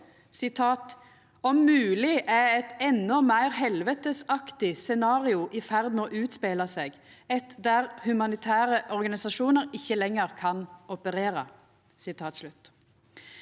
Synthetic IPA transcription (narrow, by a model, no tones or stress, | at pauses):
sɪt̪ʰɑːt̪ | ɔmːʉːlɪʔæɛt̪ɛnːɔmæɪʁɦɛlʋət̪əsɑkt̪ɪsɛnɑːʁɪʊʔɪfæʁd̪moːʔʉːt̪speːlɑseːɡ | ɛt̪d̪æʁhʉmɑnɪt̪ʰæːʁəʔɔʁɡɑnɪsɑʃuːnəɾɪçːəlɛŋːəʁkʰɑnɔpəʁeːɾə̰ | sɪt̪ʰɑːt̪slʉt̪ː